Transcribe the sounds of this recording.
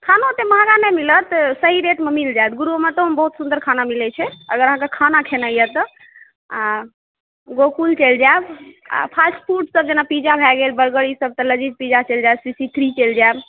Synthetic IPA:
kʰanot̪emaɡanɛmilət̪səɦiɾeʈmemild͡ʒaet̪ɡuɾumet̪əbəɦut̪sund̪əɾkʰanamilɛt͡ʃʰɛəɡəɾəɦãkekʰanakʰenəjət̪ɔ | a | ɡokult͡ʃəld͡ʒaeb | a̰pʰasʈpʰuɾʈsəb̚d͡ʒenapid͡ʒabʱɛɡelbəɾɡəɭisəb̚t̪ɔləd͡ʒit̪̚pid͡ʒat͡ʃeld͡ʒaebsisit̪ʰɾit͡ʃeld͡ʒaeb

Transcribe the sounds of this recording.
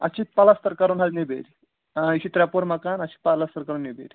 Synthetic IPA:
ɐ̰t͡ɕit̪̚palast̪əɾkəɾuːnɦalnebḛɾi | iɕit̪ɾapoɾməkanɐt͡ɕi̥ːt̪palast̪əɾkəɾuːnnebḛɾʲi

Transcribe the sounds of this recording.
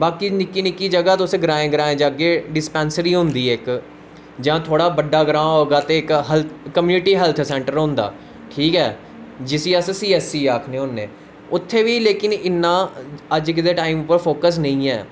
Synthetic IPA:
baːkiːnɪkːiːnɪkːiːd͡ʒəɡaːt̪ʊsẽːɡəɾãːẽːɡəɾaːẽːd͡ʒaːɡeːɖɪspɛːnsəɾiːɦʊ̃nd̪iːɪk | d͡ʒãːt̪ʰoːɽaːbəɖaːɡɾãːɦoːɡaːt̪eːɪkɦɛlːəmjuːnɪʈiːɦɛːlt̪ʰsɛ̃ːɳʈəɾɦʊ̃nd̪a̰ː | ʈʰiːkɛː | d͡ʒɪsiːəssiːɛːsiːaːkʰneːɦʊ̃nːḛː | ʊt̪ʰːeːʋiːleːkɪnɪnːãːəd͡ʒkɪd̪eːʈaːimʊpːəɾfʰoːkəs̬nəĩːɛ̰ː

